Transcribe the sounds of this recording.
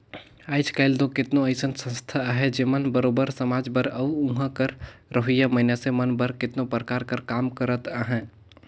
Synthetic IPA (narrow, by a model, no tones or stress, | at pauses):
aːɪt͡ʃkaːɪld̪okɪt̪nõɐɪsənsə̃nst̪ʰaɦɛd͡ʒemənbəɾoːbəɾsəmaːd͡ʒbəɾɐũɦãkəɾɾəɦʊjamɐɪnasemɐnbəɾkɪt̪nõpɾəkaːɾkəɾkaːmkəɾət̪aɦɛ̃ː